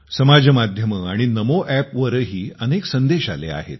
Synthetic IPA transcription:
səmad͡ʑʱəmad̪ʱjəməaɽ̃inəmoʔæpʋəɾəɦiːəneksənd̪eɕa̰lḛa̰ɦḛt̪̚

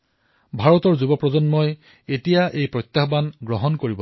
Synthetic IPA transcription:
bʱaɹɔtɔɹzubɔpɹɔzɔnmɔj | etijaʔejpɹɔjt̪jaxbanɡɹɔɦɔnkoɹibɔ

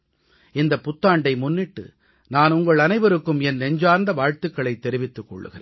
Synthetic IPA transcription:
ɪnd̪ɐpːʊt̪ːaːɳɖɐɪmʊnːɪʈːɯ̰ | naːnʊŋɡɐɭɐnɐɪʋɐɾɯkːɯmɛnnɛɲd͡ʒaːɾnd̪ɐʋaːɻt̪ɯkːɐɭɐɪt̪ːɛɾɪʋɪt̪ːɯkːɔ̰ɭːɯ̰ɣɪreː

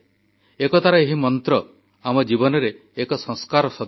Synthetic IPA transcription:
ekɔt̪aɾaeɦimɔnt̪ɾɔ | amɔd͡ʒibɔnɔɾeː | kɔsɔŋskaɾɔsɔ

